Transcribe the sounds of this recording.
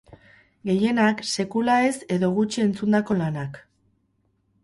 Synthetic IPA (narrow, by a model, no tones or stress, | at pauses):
ɡe̞je̞nakse̞kulae̞se̞ðo̞ɣut͡ʃie̞nt͡sund̪ako̞lanak